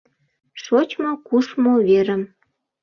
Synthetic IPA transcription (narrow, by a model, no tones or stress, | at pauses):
ʃot͡ɕmokuʃmoβeɾə̆m